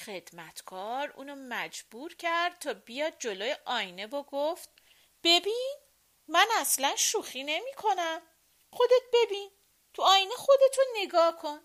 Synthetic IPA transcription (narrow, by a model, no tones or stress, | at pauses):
xe̞d̪̥mæt̪ʰkʰɒːɾṵːnomæd͡ʒb̥uːɾcʰæɾd̪̥̚t̪ʰɒːbijɒːd̪̚d͡ʒo̞loːjeʔɒːjne̞voɡoft̪̚ | b̥e̞biːn | mænæslænʃuːxiːne̞miːkʰo̞næm | χo̞d̪e̞t̪̚be̞biːn | t̪ʰuɒːjnexo̞d̪e̞t̪ʰone̞ɡɒːhkʰo̞n